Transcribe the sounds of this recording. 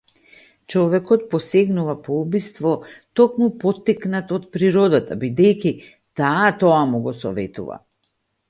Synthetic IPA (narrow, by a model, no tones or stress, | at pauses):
t͡ʃɔvɛkɔt̪̚pɔsɛɡnuvapɔubist̪vɔt̪ɔkmupɔt̪ːiknat̪ɔt̪̚pɾiɾɔd̪at̪abid̪ɛjci | t̪aːt̪ɔamuɡɔsɔ̰vɛ̰t̪ṵva̰